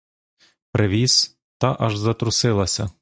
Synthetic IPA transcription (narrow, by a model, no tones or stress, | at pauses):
pɾʔɪʋʲiz | t̪ɑʔɐʒzɐt̪ɾʊsɪlˠɐsʲɐ